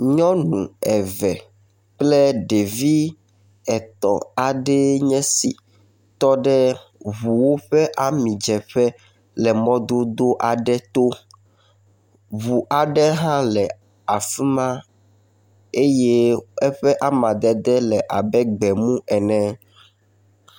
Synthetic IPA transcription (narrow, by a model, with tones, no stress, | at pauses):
ɲɔ̃˦nũ˨ɛ˨vɛ˨ | k͡plɛ˦ɖe˨vi˦ | ɛ˨t̪ɔ̰˨a˨ɖɛ˦ɲɛ̃˦si˨ | t̪ɔ˦ɖɛ˦βu˨wo˦ɸɛ˦ʔa˦mĩ˨d͡ʒɛ˨ɸɛ˦ | lɛ˨mɔ̃˦d̪o˦d̪o˦ʔa˨ɖɛ˦t̪o˦ | βu˨ʔa˨ɖɛ˦ɦã˦lɛ˨ | a˨fi˦mã˦ | e˦je˦ɛ˦ɸɛ˦ʔa˦mã˨d̪ɛ˨d̪ɛ˦lɛ˨ʔa˨bɛ˦ɡ͡bɛ˨mũ˦ɛ˨nɛ̃˦